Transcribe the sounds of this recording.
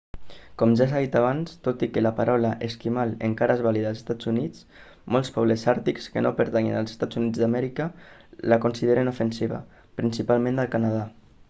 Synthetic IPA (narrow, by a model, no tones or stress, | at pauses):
kɔmʒas̬aðit̪aβ̞anst̪ot̪ikəlapaɾɔwlaʔeskimalḛŋkaɾaezβaliðaəlˠe̥st̪ad͡zunit͡s | mɔlˠspɔβ̞ləsaɾt̪ikskənopəɾt̪aŋḭnalˠze̥st̪ad͡zunid͡zðamɛɾikə | lakunsiðeɾenufənsiβa̰ | pɾinsipalˠmẽnd̪əlˠkanað̞a